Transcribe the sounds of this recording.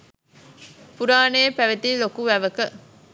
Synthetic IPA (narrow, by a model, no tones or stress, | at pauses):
puɾaːnejːpæʋet̪ilokuʋæʋəkə